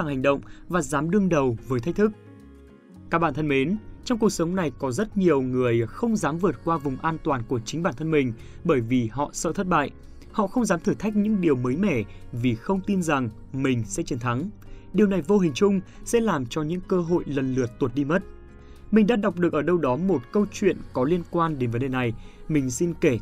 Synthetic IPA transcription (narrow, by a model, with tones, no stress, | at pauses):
aː˧˩ŋha˨˩jŋ̟ɗə̰˧˨wŋ͡mvaː˨˩zaː˨˦mɗɨ˧əŋɗə˨˩wvəː˨˦jt̪ʰa˦˥k̟̚t̪ʰɨ˦˥k̚ | kaː˦˥k̚ɓaː˧˩t̪ʰə˧nme˨˦nt͡ɕɔ˧wŋ͡mku˩ək̚sə˨˦wŋ͡mna˨˩jkɔ˨˦zə˦˥t̚ɲi˨˩əwŋɨ˨˩əjxə˧wŋ͡mzaː˨˦mvɨ˨˩ət̚kwaː˧vʊ˨˩ŋ͡mʔaː˧nt̪waː˨˩nku˧˩ət͡ɕï˨˦ŋ̟ɓaː˧˩nt̪ʰə˧nmï˨˩ŋ̟ | ɓəː˧˩jvi˨˩ɦɔ̰˧˨sə̰ː˧˨t̪ʰə˦˥t̚ɓa̰ː˧˨jʔ | hɔ̰˧˨xə˧wŋ͡mzaː˨˦mt̪ʰɨː˧˩t̪ʰa˦˥k̚ɲɨ̰˧˥ŋɗi˨˩əwməː˨˦jmɛ˧˩ | vi˨˩xə˧wŋ͡mt̪i˧nza˨˩ŋ | mï˨˩ŋ̟sɛ̰˧˥t͡ɕi˨˦nt̪ʰa˨˦ŋ | ɗi˨˩əwna˨˩jvo˧ɦï˨˩ŋ̟t͡ɕʊ˧ŋ͡m | sɛ̰˧˥laː˨˩mt͡ɕɔ˧ɲɨ̰˧˥ŋkəː˧ɦo̰˧˨jlə˨˩nlɨ˨˩ət̚t̪u˨˩t̚ɗi˧mə˦˥t̚ | mï˨˩ŋ̟ɗaː˧ɗa˨˩wk͡p̚ɗɨ˨˩ək̚ʔəː˧˩ɗə˧wɗɔ˨˦mo˨˩t̚kə˧wt͡ɕwḭ˧˨ənkɔ˨˦li˧ənkwaː˧nɗe˨˦nvə˨˦nɗe˨˩na˨˩jmï˨˩ŋ̟si˧nke˧˩